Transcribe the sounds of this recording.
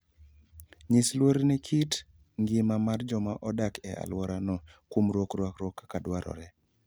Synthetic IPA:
ɲislwoɾnɛkʰit | ŋɡɪmamard͡ʒɔmaʔɔdakɛ̰a̰lwɔɾanɔkwomɾwokrwakɾwɔkːakadwaɾɔ̰ɾɛ

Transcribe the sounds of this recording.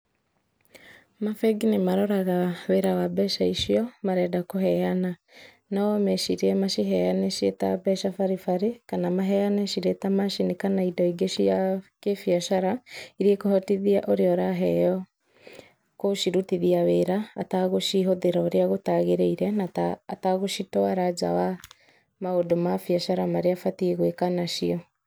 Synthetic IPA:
mafɛɡinemaɾɔɾaɣaweɾawabɛʃaiʃiɔmaɾɛdakoɦɛjana | nɔmeʃiɾiɛmaʃiɦɛjaneʃieta̰bɛʃafaɾifaɾekanamaɦɛjanɛʃiɾetamaʃinikanaidɔiɡeʃiakefiaʃaɾaiɾiekohɔtiðiaʔoɾeɔɾaɦɛ̰jɔ | koʃiɾutiðiaβeɾaːtaɣoʃiɦoðeɾaoɾiaɣotaɣeɾeiɾɛnataːtaɣoʃitɔaɾad͡ʒa̰wa | maodomafiaʃaɾamaɾeafatieɣwekanaʃiɔ

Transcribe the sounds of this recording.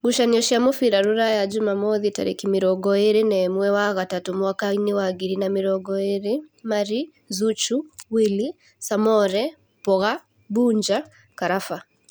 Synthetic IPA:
muʃaniɔʃiamɔfiɾaɾuɾajad͡ʒumamɔðita̰ɾḛkimiɾɔɡɔeɾenɛmwɛwaɣatatumwakainiwaɡiɾinamiɾɔɡɔeɾemaɾi | zut͡ʃuwili | samɔɾɛ | pɔɣa | buɲd͡ʒa | kaɾafa

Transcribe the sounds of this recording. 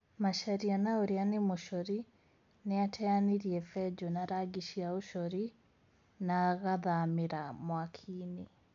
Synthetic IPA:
maʃaɾianaoɾeanemoʃɔɾi | neatʰɛaniɾiɛfɛd͡ʑɔnaɾaɡiʃiaoʃɔɾi | naɣaðameɾamwakʰiːne

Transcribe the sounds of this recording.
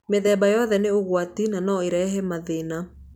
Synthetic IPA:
meðɛːbajɔðɛneoɣwatinanɔeɾɛɦɛmaðena

